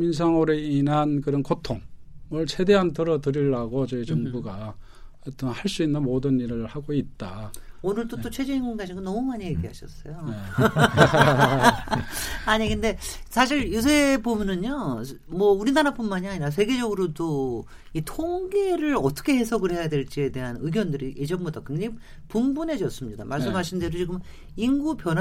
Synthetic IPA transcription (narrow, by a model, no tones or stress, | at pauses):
mins̬ʰaŋoɾeinankɯɾʌnkotʰoŋmʌɭt͡ɕʰe̞de̞ɦantɯɾʌdɯɾiɭːaɡot͡ɕʌit͡ɕʌŋbuɡa | at͈ʌnhaɭs͈uinːɯnmodɯniɾɯɭhaɡoit̚t͈aonɯɭt͈ot͈ot͡ɕʰwe̞d͡ʑeinɡunɡaɕʰiŋɡonʌmumaɲije̞ɡiɦaɕʰʌs͈ʌjoe | aɲikɯnde̞sʰaɕ̬ʰiɭjus̬ʰebomjʌnɯɲjo | mwʌuɾinaɾap͈unmaɲiaɲiɾas̬ʰe̞ɡe̞d͡ʑʌɡɯɾodo | itʰoŋɡe̞ɾɯɾʌt͈ʌ̥kʰe̞ɦe̞sʰʌɡɯɭhe̞jadwe̞ɭt͡ɕ͈ie̞de̞ɦanɯɡjʌndɯɾiʔed͡ʑʌɡmot͈ʰak͈ɯnkɯɲiɡɯm | pumbune̞d͡ʑʌs͈ɯmɲida̰maɭss͈ɯmɦaɕʰinde̞dot͡ɕiɡɯm | iŋɡupjʌn